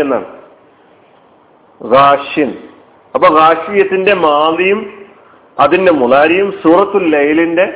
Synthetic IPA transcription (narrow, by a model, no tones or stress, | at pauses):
enːa̰ːɳɨ | ɣaːʂin | ɐpːoːɣaːʂijɐt̪ːinde̞maːlijum | ɐðinde̞muɭaːɾijumsuːrɐt̪ːulːejlinde̞